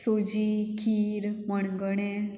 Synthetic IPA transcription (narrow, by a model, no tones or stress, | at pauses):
sod͡ʑikʰiːɾməɳɡəɳe